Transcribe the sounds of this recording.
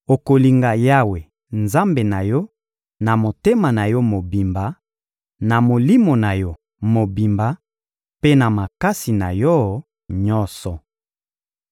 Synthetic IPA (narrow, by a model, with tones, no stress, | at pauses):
o˨ko˨li˨ŋɡa˨ja˦we˨ | nza˦mbe˨na˨jɔ˦ | na˨mo˨te˦ma˨na˨jɔ˦mo˨bi˨mba˨ | na˨mo˨li˦mo˨na˨jɔ˦ | mo˨bi˨mba˨ | pe˦na˨ma˨ka˦si˨na̰˨jɔ˦ | ɲɔ˦nsɔ˨